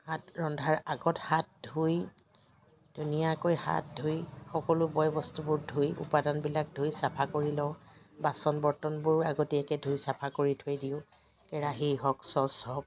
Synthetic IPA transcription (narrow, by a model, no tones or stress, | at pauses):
hatɹɔndʱaɹaɡɔthat̚dʱuj | d̥unijakojha̰t̚dʱujxɔkɔlʊbɔjbɔstubʊɹdʱujṵpadanbilak̚dʱujsapʰakoɹilɔ | basɔnbɔɹtɔnbʊɹaɡotiɛkɛdʱujsapʰakoɹitʰojdiʊ̃ | kɛɹaɦiɦɔksɔsɔk̚